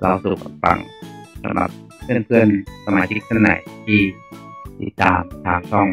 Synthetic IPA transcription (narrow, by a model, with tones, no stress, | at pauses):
lʔɔ˧˩˧su˨˩k̚a˧˩fa̰˧˩ŋsa̰˧˦mla̰˨˩p̚ʰɯ˥˩ə˨npʰɯ˥˩ənsa˧maː˨˦t̪ʰi˧˥pʰɯ˥˩˨nːa̰˨˦jt̪ʰiː˥˩t̪ḭ˨˩t̪ːaː˨˧mt̪ʰaː˨˧˩ŋsʰɔ˧˥˩ŋ